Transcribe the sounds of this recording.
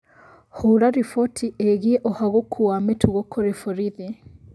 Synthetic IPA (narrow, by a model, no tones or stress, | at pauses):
huɾaɾifɔtʰieɣieʔɔhaɣokʰuametʰuɣokʰoɾefoɾiðe